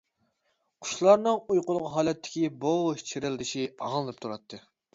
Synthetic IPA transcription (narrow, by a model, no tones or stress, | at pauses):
qʰʊ̥ʃlˠɑɾnɨŋujqʊlˠʁqɦɑːlɛt̪ʰːɪ̥kʲibowt͡ʃʰɪɾɪld̪ɪʃiɑɨnɨp̚t̪ʰuɾɑt̪ʰːɨ